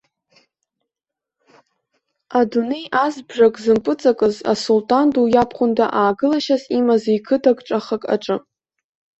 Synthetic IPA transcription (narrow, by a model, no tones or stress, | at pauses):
adune̞jʔazbʐakʼzɨmpʼɨt͡sʼakʼɨza̰sultʼandujapʰχʷʊnda̰ʔaːɡɨlaʃazimazajkʰɨdʰaɡʼʈ͡ʂʼaχakʼa̰ʈ͡ʂʼɨ